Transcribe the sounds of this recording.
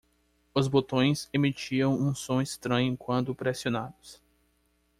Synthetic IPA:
ʊzbot̪õj̃semit͡ʃiɐ̃w̃ũsõist̪ɾɐ̃ɲʊkwɐ̃nd̪ʊpɾesionad̪ʊs

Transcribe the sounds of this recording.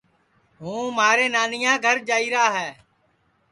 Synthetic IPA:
ɦũːmaːɾeːnaːnɪjãːɡʱəɾd͡ʒaːiːɾaːɦɛː

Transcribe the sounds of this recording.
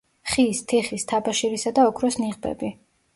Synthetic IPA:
χiːst̪ʰɛχist̪ʰabaʃiɾisad̪aɔkʰɾɔsniʁbɛ̰bi

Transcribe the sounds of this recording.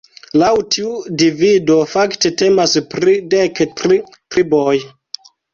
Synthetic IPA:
lawtʰiudivido̞fakte̞te̞maspɾidektɾi | tɾiboj

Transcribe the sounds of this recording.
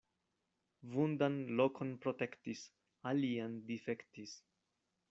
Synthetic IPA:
vundanlo̞kʰo̞npɾo̞te̞ktis | aliandife̞ktis

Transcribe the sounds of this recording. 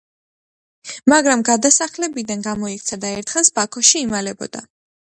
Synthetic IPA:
maɡɾamɡad̪asaχlɛbid̪anɡamɔikʰt̪sʰad̪aɛɾt̪ʰχɛlˠsbakʰɔʃiːmalɛbɔ̰d̪̥a

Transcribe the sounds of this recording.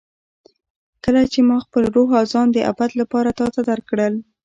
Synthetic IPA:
kəlat͡ʃemɑxpəlɾoɦɑzɑnd̪əʔa̰bad̪lapɑɾat̪ɑt̪ad̪aɾkɽəl

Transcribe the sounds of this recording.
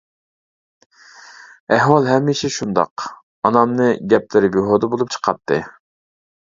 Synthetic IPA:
ɛɦwɑlˠɦɛmːiʃɛʃund̪ɑ̰q | ɑnɑmnɨɡʲɛp̚lɪɾɪbiɦod̪əbolˠup̚t͡ʃʰə̥qʰɑpt̪̚ʰːɨ̰

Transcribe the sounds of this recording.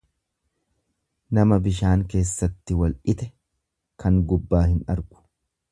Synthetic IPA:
nɐmɐbɪʃaːŋke̞ːsːɐt̪ːɪwɐlʔɪt̪ɛ | kɐŋɡʊbːaːhɪnɐɾɡʊ̥

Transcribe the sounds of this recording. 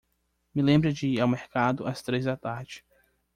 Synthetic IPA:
mɪlẽmbɾɐd͡ʒɪiawmeɾkad̪ʊɐst̪ɾezd̪at̪aɾd͡ʒɪ

